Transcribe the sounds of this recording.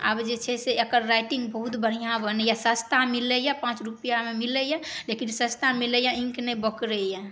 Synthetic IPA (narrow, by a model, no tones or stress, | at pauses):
a̰bd͡ʒet͡ʃʰɛseekəɾːajʈĩŋɡbəɦut̪bəɽ̤ijãbənəjasə̃st̪amiləjapãt͡ʃɾupijamemiləjalekinsə̃st̪amiləjãĩŋknɛbəkɾəja